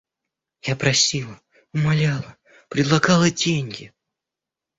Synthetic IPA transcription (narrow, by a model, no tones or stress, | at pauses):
japɾɐsʲilˠə | ʊmalʲalˠə | pɾʲɪd̪lˠɐɡalˠədʲenʲɡʲɪ